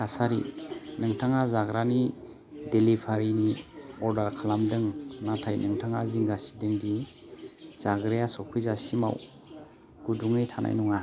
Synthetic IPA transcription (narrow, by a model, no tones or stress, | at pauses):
kʰasaɾḭnɯŋtʰaŋazaɡɾani | delipʰaɾiniɔɾdaɾkʰalamdɯŋnatʰajnʔɯŋtʰaŋaziŋɡasi̥dɯŋdi | z̥aɡɾejasɔkʰujzasima̰w | ɡ̥uduŋɯjtʰanʔa̰jnuŋa